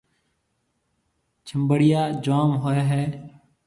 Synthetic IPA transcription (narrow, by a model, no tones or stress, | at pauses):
t͡ʃʰəmbəɽɪjaːd͡ʒaːmɦoːjaːɦɛː